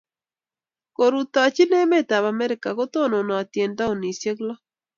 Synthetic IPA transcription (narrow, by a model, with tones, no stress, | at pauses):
ko˨ɾu˨t̪a˨t͡ʃi˦nɛ˦me˦ta˨βa˨mɛ˦ɾɪ˨ka˨ɡo˦t̪o˦˨no˨nɔ˨a˨tje˨nda˦o˨ni˨sje˦klɔ˦